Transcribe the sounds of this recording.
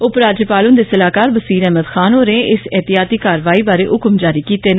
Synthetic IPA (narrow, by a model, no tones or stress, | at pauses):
ʊpɾaːd͡ʒəpaːlʊnd̪eːsəlaːkaːɾbəsiːɾɛːɦməd̪xʰaːnɦoːɾẽːʔɪsɛːt̪ɪjaːt̪iːkaːɾʋaːiːbaːɾeːʔʊkmd͡ʒaːɾiːkiːt̪eːn